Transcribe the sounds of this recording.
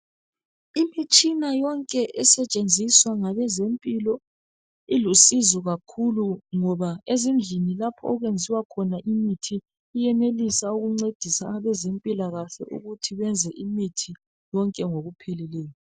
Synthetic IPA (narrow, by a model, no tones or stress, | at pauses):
imit͡ʃʼinajɔŋkʼɛʔɛsɛt͡ʃʼend͡zʱiswaŋaβɛzempʼilɔ | ilusizɔɣakʰuluŋɔβaezind͡ɮʱinilapʰɔːɣwend͡zʱiwakʰɔnaʔimitʰiː | jɛnelisauɣuŋ͡ǀed̥ʱisaaβɛzempʼilaɣaɬɛ̰ʔṵɣutʰiβɛnd͡zʱɛʔimitʰi | jɔŋkʼɛŋoɣupʰelilɛːjɔ